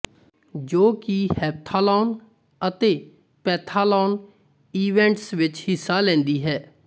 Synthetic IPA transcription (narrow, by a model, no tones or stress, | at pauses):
d͡ʒoːkihɛːp̚t̪ʰaːlɔːn | ət̪eː | pɛːt̪ʰaːlɔːn | iːʋɛ̃ːɳʈsʋɪt͡ʃhɪsːaːlɛ̃ːnd̪iːɦɛː